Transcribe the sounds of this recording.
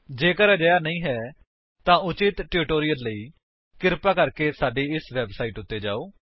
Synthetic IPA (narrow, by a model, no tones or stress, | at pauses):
d͡ʒeːkəɾɛd͡ʒəjaːnəĩːɦɛː | t̪ãːʊt͡ʃɪt̪ʈɪɾɪʈoːɾɪjəlːəiː | kɪɾpaːkəɾkeːsaːɖeːɪsʋɛbsaːiːʈʊt̪ːeːd͡ʒa̰ːoː